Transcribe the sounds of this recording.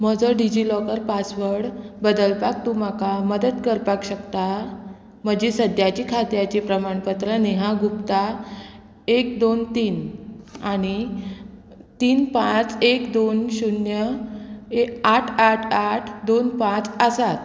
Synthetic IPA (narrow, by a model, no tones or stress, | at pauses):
m̤əd͡zəɖid͡ʑilɔkəɾpasʋəɽbəd̪əlpak̚t̪um̤akaməd̪əd̪kəɾpakɕəkt̪a | m̤əd͡ʑesəd̪jat͡ɕikʰat̪jat͡ɕipɾəmaɳpət̪ɾəneɦaɡupt̪a | ek̚d̪ont̪iːnaɽ̃i | t̪iːnpãt͡sekd̪onɕunjə | eaʈʰaʈʰaʈʰd̪onpãt͡səsat̪